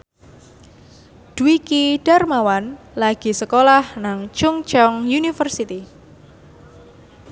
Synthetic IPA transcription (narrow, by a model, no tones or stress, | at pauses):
d̥uwikiɖ̥armawan | laɡ̥i̤səkolahnaŋt͡ʃʊŋt͡ʃɔŋjunifərsit̪i